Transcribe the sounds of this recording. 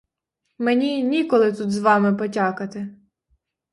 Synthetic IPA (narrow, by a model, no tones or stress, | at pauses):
menʲinʲikɔlˠɪt̪ut̪zʋɑmɪpɔtʲɑkɐt̪ɪ